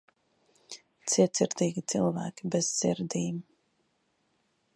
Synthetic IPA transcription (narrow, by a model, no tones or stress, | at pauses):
t̪siɛt̪siɾd̪iːɡʲit̪silˠvæːkʲibɛz̥sḭɾd̪iːm